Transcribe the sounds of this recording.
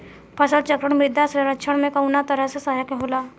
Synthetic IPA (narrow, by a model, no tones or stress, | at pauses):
pʰəsəlt͡ʃəkɾəɽ̃mɪd̪asɾəɾətːt͡ʃʰəɽmẽkəwnat̪əɾəsesajakeɦola